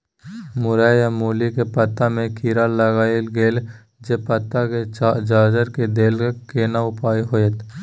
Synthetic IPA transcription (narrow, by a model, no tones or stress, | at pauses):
mʊɾaːjamoːlikepɐt̪ːamẽkʰiːɾaləɡaːilɡeːl | d͡ʒepɐt̪ːaked͡ʒaːzəɾked̪eːlkekeːnaʊpaːiɦoːjet̪